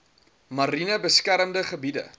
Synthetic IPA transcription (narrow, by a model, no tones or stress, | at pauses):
mɐɾinəbəskæɾəmdəχəbidə̰